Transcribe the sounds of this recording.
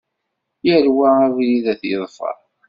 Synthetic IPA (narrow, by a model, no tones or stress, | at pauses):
jəɾwæævjiðæθjəðˤfə̰ɾˤ